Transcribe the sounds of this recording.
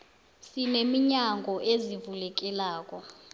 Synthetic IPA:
sinemiɲaŋɡʱɔʔezivulɛk̬ʼɛlaːkʼɔ

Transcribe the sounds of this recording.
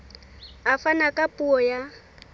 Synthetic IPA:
afanakʼapʼuɔja

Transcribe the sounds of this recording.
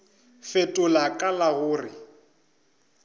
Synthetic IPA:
fetʼʊlakʼalaɣʊːrɪ

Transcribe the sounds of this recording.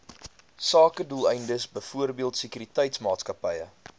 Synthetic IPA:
sɑːkədulˠɛjndəsbəjfuərbiəlˠtsəkyɾitɛjtsmɑːtskɐpəjə

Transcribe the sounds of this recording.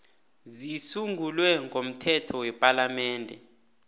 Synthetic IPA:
zisuŋɡʱulwɛŋɡʱom̩tʰɛtʰɔwɛpʼalamɛːndʱɛ̰

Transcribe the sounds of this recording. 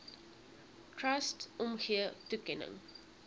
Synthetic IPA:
tʰɹɐstʔɔmxiətukɛnə̰ŋ

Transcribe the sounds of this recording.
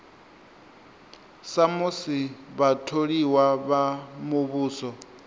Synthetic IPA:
samusiβatʰoɺiwaβamuβuːsɔ

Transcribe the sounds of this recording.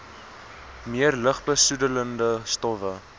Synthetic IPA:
miərləχbəsudələndəstɔfə

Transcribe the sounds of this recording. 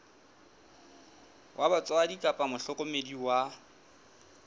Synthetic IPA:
wʔabat͡sʼwadikʼapʼamʊɬɔkʼʊmediwa

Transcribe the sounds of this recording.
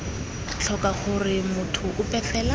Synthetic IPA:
t͡ɬʰɔkʼaχʊrɪmʊtʰʊʔʊpɛɬɛla

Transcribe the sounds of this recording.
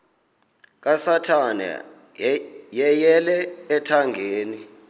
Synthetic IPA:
k̬ʼasatʰanɛ̰ | jɛjɛlɛːtʰaŋɡʱeːni

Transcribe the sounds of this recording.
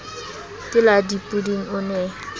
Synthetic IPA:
tʼɪladipʼudiŋ̩ʊnɛ

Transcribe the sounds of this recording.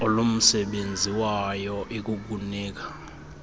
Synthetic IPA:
olom̩sɛɓend͡zʱiwajɔʔeik̬uk̬unɛːk̬ḁ

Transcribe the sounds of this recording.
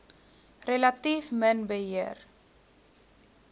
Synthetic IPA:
relɐtifmənbəɦiər

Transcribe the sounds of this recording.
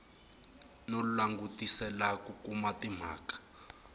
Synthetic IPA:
nolulaŋɡutʼisɛlakukʼumatim̤a̰ːkḁ

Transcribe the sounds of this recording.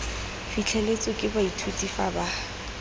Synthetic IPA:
fit͡ɬʰɛlet͡sʼʊkʼɪbaitʰutʼifaba

